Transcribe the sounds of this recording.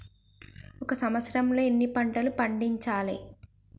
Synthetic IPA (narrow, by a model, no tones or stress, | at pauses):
ɔkɐsɐmʋɐt̪sɐɾɐmlo̞ːenːipɐɳʈɐlupɐɳɖiɲt͡ʃaːlḭ